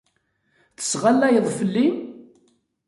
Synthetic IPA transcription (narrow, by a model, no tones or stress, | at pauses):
θə̥sʁalːæjəðˤfəlːi